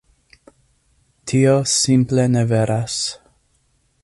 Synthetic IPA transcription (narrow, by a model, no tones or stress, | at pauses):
tʰiosimpleneveɾʔas